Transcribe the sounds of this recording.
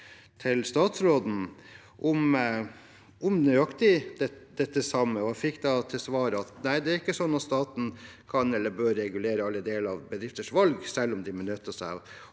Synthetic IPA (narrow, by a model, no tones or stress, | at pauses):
t̪ʰɪlst̪ɑːt̪sɾoːd̪n̩ | ʔʊm | ʔʊmnyɑkt̪ɪd̪ɛd̪ɛt̪ːəsɑmːəɔæfɪkːd̪ɑt̪ʰɪlsʋɑːɾəɑt̪næɪd̪ɛæɾɪkːəsɔnːɑt̪st̪ɑːt̪n̩ | kʰɑnɛlːəɾbøːɾːɛɡʉleːɾəɑlːəd̪eːlɑʋbəd̪ɾɪft̪əʂʋɑlɡsɛlːɔmd̪ɪmɛnœt̪ːəsæɪɔ